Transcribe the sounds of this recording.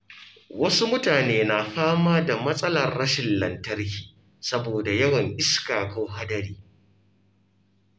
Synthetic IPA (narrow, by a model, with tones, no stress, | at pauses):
wɐ˦su˦mʊ˦taː˨neː˦na˨ɸaː˦maː˦da˨mɐ˦sʼɐ˦lɐ˨rːɐ˦ʃɪ˨nlɐ˨ntɐ˦rkʲiː˨ | sɐ˦boː˨da˨jɐ˦wɐ˨ŋʔɪ˦skaː˨koː˦ɦa˦dɐ˦ɽiː˦